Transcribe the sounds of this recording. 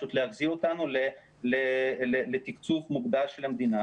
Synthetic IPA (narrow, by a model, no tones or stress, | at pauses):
ʃut̪leaχziot̪anule | lelelet̪ikt͡sufmuɡd̪alʃelhamd̪ina